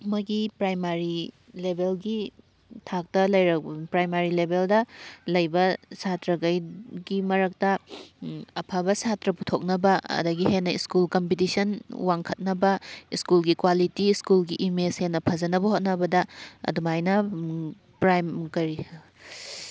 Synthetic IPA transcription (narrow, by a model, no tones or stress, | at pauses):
mɐɡipɾajmaɾi | lebʱelɡi | tʰak̚tɐlɐjɾɐk̚pɾajmaɾilebeldɐlɐjbɐsatɾɐɡɐjɡimɐɾɐk̚tɐ | ɐpʰabɐsatɾɐputʰok̚nɐbɐɐ̰dɐɡiɦenːɐiskulkɐmpitisɐnwaŋkʰɐt̚nɐbɐiskulɡikwalitiskulɡiʔimeshenːɐpʰɐzɐnɐbɐhot̚nɐbɐdɐɐ̰dumajnɐ | pɾajmkɐɾi